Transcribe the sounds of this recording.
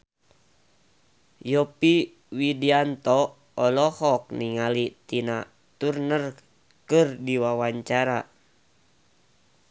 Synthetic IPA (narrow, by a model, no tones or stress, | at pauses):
jɔpi | widiant̪ɔ | ɔlɔhɔk̚niŋalit̪ina | t̪urnər | kɨrdiwawaɲt͡ʃaɾa